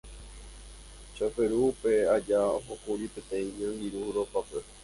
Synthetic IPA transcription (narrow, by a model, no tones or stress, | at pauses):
t͡ʃafeɾuːpe̞ad͡ʒaoɦokuɾipẽ̞t̪ẽĩɲõiɾuɾopape